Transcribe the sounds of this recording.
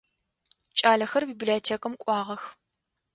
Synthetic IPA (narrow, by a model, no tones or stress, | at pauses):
t͡ʃʼaːɮɐxɐrbiːbliɛtʰeːkʼɐmkʷʼɑːʁɐx